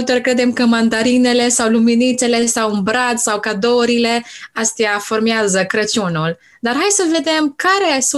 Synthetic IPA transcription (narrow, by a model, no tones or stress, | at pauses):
lt̪rʲkɾe̞d̪e̞mkəmand̪aɾine̞le̞sawluminit̪se̞le̞sawɨnbɾat̪sawkad̪oɾile̞ast̪eafo̞rmeazəkɾət͡ʃunul | d̪arɦajsəve̞d̪e̞mkaɾe̞s